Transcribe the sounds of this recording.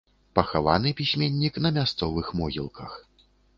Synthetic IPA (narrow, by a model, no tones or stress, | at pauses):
pɐxava̰nɨpʲisʲmʲenʲːiknɐmʲast̪sɔvɨxmɔɣʲḭlˠkʰɐx